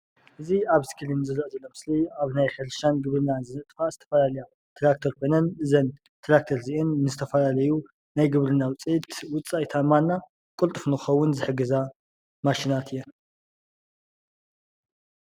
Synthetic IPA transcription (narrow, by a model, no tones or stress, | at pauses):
ʔɨziaβskʰilinzɨɾɐʔzɐlːomɨsliaβnajħɐlʃanɡɨβɾɨnanzɨnɨt̪ʼfazɨt̪ʰɐ̥fɐlalɐja | t̪ʰɾak̚t̪ʰoɾkʰojnɐnɨzɐn | t̪ʰɾak̚t̪ʰoɾziʔɨnːɨzɨt̪ʰɐfɐlalɐju | najɡɨβɾɨnːawʊt͡sʼijt̪wʊt͡sʼːajt̪ʰamanːa | kʼʊlt̪ʼɨfnɨɨxɐwːʊnzɨħɨɡɨza | maʃinat̪ʰijɛ